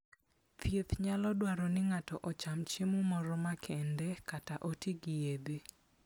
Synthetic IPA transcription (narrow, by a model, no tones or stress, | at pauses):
pʰjet̪ɲalɔdwaɾɔnɪŋatɔʔɔt͡ʃamt͡ʃemumɔɾɔmakʰɛndɛkataʔotiɡɪjebe